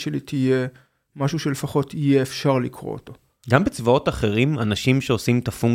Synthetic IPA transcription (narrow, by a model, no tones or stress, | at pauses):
ʃelitʰije | maʃuʃe̞le̞faχo̞tʰijeːfʃaʁlikʁo̰oto̞ | ɡambet͡svao̞taχe̞ʁimanaʃimʃeosimtafuŋ